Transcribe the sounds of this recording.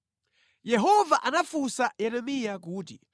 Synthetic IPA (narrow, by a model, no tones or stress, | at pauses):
jɛɦɔvaʔanafusajɛɾɛmijakuːti